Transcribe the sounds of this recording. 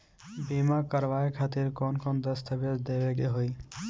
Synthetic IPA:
bimakəɾʋaekʰat̪iɾkɔnkʰɔnd̪əst̪ʰəbed͡ʒd̪ebeɡeɦoi

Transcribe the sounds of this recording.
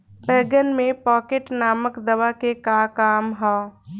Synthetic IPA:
pɛːɡənmẽpɔːkeʈnaːməkd̪ɐʋakekakaːmɦaː

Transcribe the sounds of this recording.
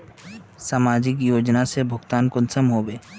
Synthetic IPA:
saːmaːd͡ʒɪk̬joːd͡ʒnasebʱʊɡt̪aːnkʊnsəmɦoːbeː

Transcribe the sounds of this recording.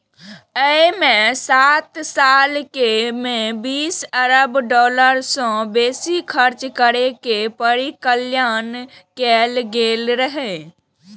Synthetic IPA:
əmẽsat̪saːlkemẽbiːsəɾəbɖɔːləɾsɔ̃beːsikʰəɾt͡ʃkəɾekepəɾikəljaːnkelɡelɾəɦe

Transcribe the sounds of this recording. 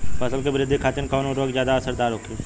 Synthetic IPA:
pʰəsəlkebɾɪd̪ʱːikʰaːt̪ɪnkɔːnoɾoːɡzjaːd̪aɐsəɾd̪aːɾɦoːkʰoː

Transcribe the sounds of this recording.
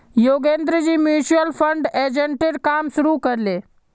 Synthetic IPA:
joɡend̪ɾəd͡ʑiːmjuɕuəlfəɳɖed͡ʑeɳʈiɾkamsuɾukəɾle

